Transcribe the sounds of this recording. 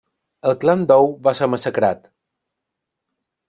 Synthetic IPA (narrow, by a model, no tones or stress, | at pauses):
əlˠkland̪ɔwβasəməsəkɾat̪